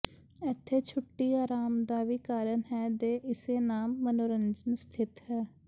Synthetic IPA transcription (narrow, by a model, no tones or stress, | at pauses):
ɪt̪ʰːeːt͡ʃʰʊʈːiːaːɾaːmd̪aːʋiːkaːɾənɦɛːd̪eːʔɪseːnaːmːənoːɾənd͡ʒənst̪ʰɪt̪hɛː